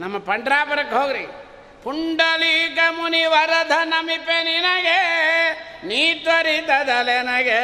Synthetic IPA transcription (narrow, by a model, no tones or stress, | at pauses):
nɐmːɐpɐɳɖɾaːpɐɾɐkːɦoːɡɾi | puɳɖɐlik̬ɐmuniʋɐɾɐd̪ʱɐnɐmipeninɐɡe | niːʈʋɐɾid̪ɐd̪ɐlenɐɡe